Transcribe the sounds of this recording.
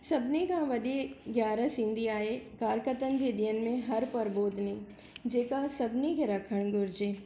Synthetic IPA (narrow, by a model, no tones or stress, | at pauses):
sɐbnikãʋɐɗeɡjaːɾəsĩːnd̪ʱiaːekaːɾkət̪ənd͡ʑeɗiən̆mẽɦɐɾpɐɾboːd̪ʱni | d͡ʒeːkasɐbnikʰeɾɐkʰəɽ̃ɡʊɾd͡ʒeː